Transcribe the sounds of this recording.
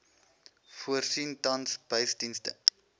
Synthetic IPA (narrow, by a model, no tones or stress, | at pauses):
fuərsintɐnsbəsdinstə̰